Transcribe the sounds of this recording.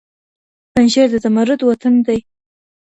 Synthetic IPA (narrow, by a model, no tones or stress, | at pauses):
panʃeɾd̪əzamaɾət̪wat̪and̪aj